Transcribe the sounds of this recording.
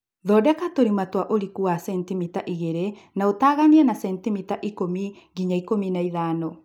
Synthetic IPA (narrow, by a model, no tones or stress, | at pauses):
ðɔːdɛkatoɾimatwaʔoɾikuasɛntimitaʔiɣeɾe | naotaːɣaniɛnasɛntimitaʔikomi | ɡiɲaikominaiðaːno